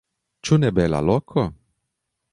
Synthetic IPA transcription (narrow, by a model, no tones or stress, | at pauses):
t͡ʃunɛbɛla̰lɔkʰɔ